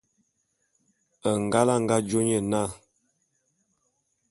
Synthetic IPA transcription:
ə˨ŋ˨ɡa˦la˦˨ŋɡa˦d͡ʒo˦ɲə˨na˦˨

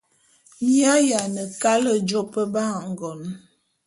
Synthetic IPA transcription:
ɲi˦a˦ja˨nə˨ka˦lə˦d͡ʒɔ˦pə˦ba˦ŋ̩˨ɡɔ˨n

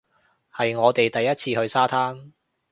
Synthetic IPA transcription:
hɐ˨jŋɔː˨˧t̪e˨jt̪ɐ˨jːɐ˥t̚t͡sʰiː˧hɵ˧ɥsaː˥t̪ʰaː˥n

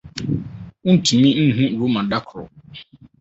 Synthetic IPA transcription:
u˦n̩˨tʰĩ˨mĩ˦n̩˦ɦũ˦ɾu˨˦mã˨da˦kʰɾʊ̰˨

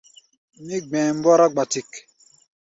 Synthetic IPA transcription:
mi˦ɡ͡bɛ̃˨m̩˦bɔ˦ɾa˦ɡ͡ba˨ti˨k

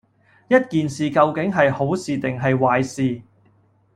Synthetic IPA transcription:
jɐ˥t̚kiː˨nsiː˨kɐ˧wkɪ˨˥ŋɦɐ˨jho˨˥wsiː˨t̪ɪ˨˩ŋɦɐ˨jwaː˨jsiː˨

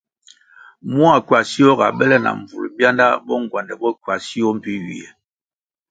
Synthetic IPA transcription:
mu˦a˨kwa˨si˦ɔ˦ɡa̰˨bɛ˦lɛ˦na̰˨ɱ˨vṵ˨lbja˦nda˦bɔ˦ŋ˨ɡwa˨ndɛ˨bɔ˦kɥa˨si˦ɔ˦m̩˨pi˦ɥḭ˨ɛ̰˨

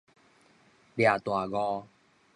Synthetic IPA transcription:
lja˨˩t̪wa˨˩ɣɔ˧

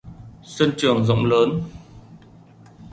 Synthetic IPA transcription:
sə˧nt͡ɕɨ˨˩əŋzə̰˧˨wŋ͡mləː˨˦n

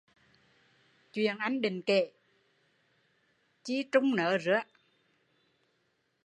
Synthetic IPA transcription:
t͡ɕwḭ˧˩˨ənʔa˧jŋ̟ɗï˨ŋ̟ke˧˩˨ | t͡ɕi˧t͡ɕʊ˧ŋ͡mnəː˨˦zɨ˧˦˥ə

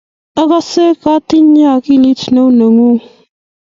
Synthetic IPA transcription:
ə˦ɣa˦se˦ka˦t̪i˦ɲ˦a˦˨ki˦li˦t͡ʃʰno˦wnə˨ŋu˦

